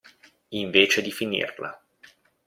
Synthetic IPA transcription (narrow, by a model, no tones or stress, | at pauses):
iɱveːt͡ʃed̪ifinḭrla̰